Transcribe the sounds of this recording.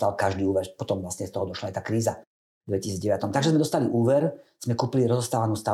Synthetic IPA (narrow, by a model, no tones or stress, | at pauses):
alkaʒd̪iːuːʋɛɾpɔt̪ɔmvlasɲɛst̪ɔɦɔd̪ɔʃlaajt̪aːkɾiːza | d̪ʋɛcisiːd͡zɟɛʋat̪ɔmt̪aɡʒɛzmɛd̪ɔst̪aliʔuːʋɛɾz̥mɛkuːpiliɾɔzɔst̪aːʋanuːst̪a